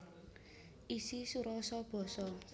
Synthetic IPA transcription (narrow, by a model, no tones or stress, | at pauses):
isisuɾɔsɔb̥ɔ̤sɔ